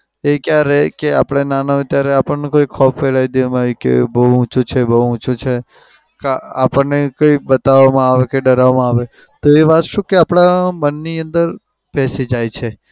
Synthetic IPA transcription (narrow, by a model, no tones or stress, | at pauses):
ekjaɾekea̰pɽ̃enanaʋet̪jaɾeapəɳnũkoikʰɔpʰʋeɭajd̪imaɾikḛbəɦuʊ̃t͡ʃʰut͡ʃʰebəɦuʊ̃t͡ʃʰut͡ʃʰe | kaa̰pəɳnekoibət̪aʋmãaʋekeɖəɾaʋmãaʋe | t̪oeʋat̪ʃũkeapɽ̃amənːiənd̪əɾ | pɛsid͡ʒajt͡ʃʰe